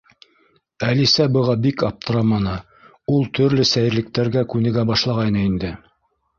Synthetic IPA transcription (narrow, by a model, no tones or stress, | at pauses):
ælisæbɤ̆ʁɑbikɑp̚t̪ɤ̆ɾɑmɑnɤ | ulˠt̪ɵ̆ɾlɵsæjɘ̆ɾlɘ̆k̚t̪æɾɡækʉnɘ̆ɡæbɑʃlˠɑʁɑjnɤind̪ɘ